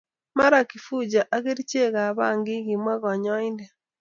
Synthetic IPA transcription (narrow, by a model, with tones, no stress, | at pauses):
ma˦ɾa˨ki˨fu˦d͡ʒa˨ʔa˦ɣe˦ɾi˦t͡ʃe˦ɣa˨βa˦ŋɡi˦ɣi˨mwa˦ɣɔ˨ɲɔ˦i˦ndɛ˨